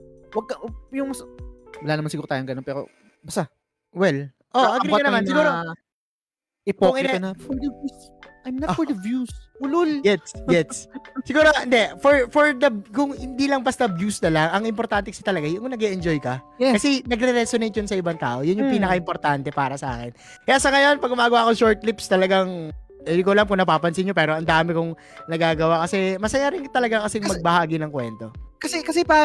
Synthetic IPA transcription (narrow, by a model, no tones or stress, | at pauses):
wɐɡ̚kɐʔjʊŋswɐlaːnɐmansɪɡuːɾot̪aːjoŋɡɐnonpɛːɾo̰ | bɐst̪a | wɛl | ʔoʔɐɡɪɐnɐmansɪɡuːɾo | ʔɪpoŋɪnɐfɔɹd̪ɐus | ʔajmnɐtfɔɹd̪ɐvjusʊlʊljɛjɛssɪɡuːɾohɪnd̪ɛfɔɹfɔɹd̪ɐkʊŋhɪnd̪iːlɐŋbɐst̪ɐbjuːsnɐlɐŋɐŋɪmpoɾt̪ant̪ɛkɐsɪt̪ɐlɐɡajʊŋnɐɡɛʔɛnd͡ʒojkɐ | ɛkɐsɛnɐɡɾɛɾɛsonejt̪̚jʊnsɐʔɪbaŋt̪a̰ːʔo̞jʊnjʊŋpiːnɐkɐʔɪmpoɾt̪ant̪ɛpaːɾɐsɐʔa̰ːkɪn | kɐjasɐŋɐjo̞npɐɡʊmaːɡɐwaːʔɐkoʃoɹt̪̚lipst̪ɐlɐɡaŋ | ɛd̪ɪkolamkʊŋnɐpaːpɐnsɪnjo̞pɛːɾo̞ʔɐnd̪aːmɛkʊŋ | nɐɡaːɡɐwakɐsɛmɐsɐjaɾɪŋkt̪ɐlɐɡakɐsɛmɐɡ̚bɐhaːɡɪnɐŋkwɛ̰nt̪o̞kɐsɛkɐsɛpa